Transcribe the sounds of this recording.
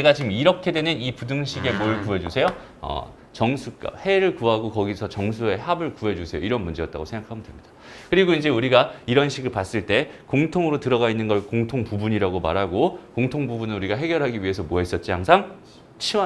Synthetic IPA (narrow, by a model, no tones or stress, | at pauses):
eɡat͡ɕimiɾʌkʰe̞dwe̞nɯnipudɯŋɕʰiɡe̞moɯɭkuɦe̞d͡ʑusʰe̞jo | ʌ̰ | t͡ɕʌŋsʰuk͈a̰he̞ɾɯɭkuɦaɡokʌɡisʰʌt͡ɕʌŋs̬ʰue̞ɦabɯɭkuɦe̞d͡ʑusʰe̞jo̰iɾʌnmund͡ʑe̞jʌt͈̚a̰ɡosʰeŋɡakʰamɯndwe̞̰mɲid̥akɯɾiɡoind͡ʑe̞uɾiɡaiɾʌnɕʰiɡɯɭpas͈ɯɭt͈e̞koŋtʰoŋɯɾotɯɾʌɣainːɯnɡʌɭkoŋtʰoŋpubuɲiɾaɡoma̰ɾɦaɡokoŋtʰoŋbubunɯnuɾiɡaɦe̞ɡjʌɾɦaɡiɥie̞sʰʌmoɦe̞s͈ʌt̚t͡ɕ͈ihaŋsʰaŋ | t͡ɕʰia